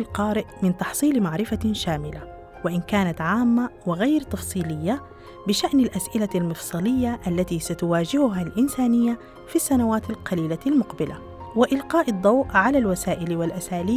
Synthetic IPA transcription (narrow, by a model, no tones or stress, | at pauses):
lqɑːɾɪʔmɪnt̪ɑħsˤiːlmaʕɾɪfaʃaːmɪla | wɪʔɪnkaːnat̪ʕaːmːawɪɣajɾt̪ɑfsˤiːlɪjːa | bɪʃaʔnalʔasʔɪlalmɨfsˤɑlɪjːaʔalːat̪isat̪ʊwaːd͡ʒɪhʊɦalʔɪnsaːnɪjːa | fisːanawaːt̪alqɑliːlalmʊqbɪla | wɪʔɪlqɑːʔɨd̪ˤːɑwʔʕalalwasaːʔɪlwalʔasaːliː